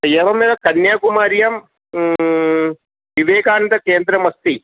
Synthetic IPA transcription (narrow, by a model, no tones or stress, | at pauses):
ɐjɐʋɐmiːd̪ɐkɐnjaːkumaːɾjɐm | ʋiʋeːkaːnt̪ɐkeːnd̪ɾɐmɐst̪i